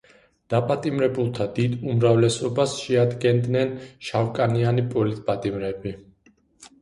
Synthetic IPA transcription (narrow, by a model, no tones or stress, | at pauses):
d̪̥apʼat̪ʼimɾɛbulˠt̪ʰad̪id̪umɾavlɛsɔbasʃɛad̪ɡɛnd̪nɛnʃawkʼanianipʼɔlit̪ʼpʼat̪ʼimɾɛbi